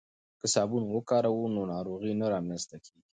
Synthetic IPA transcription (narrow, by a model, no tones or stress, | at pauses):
kəsɑbunwəkɑɾawunonɑɾoɣinaɾɑmnanst̪akʰeɡi